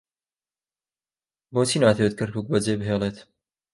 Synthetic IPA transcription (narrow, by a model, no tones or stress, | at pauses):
boːt͡siːnaːt̪ʰewɨt̪̚kʰɐɾkuːk̚bɐd͡zeːbɦeːlˠeːt̪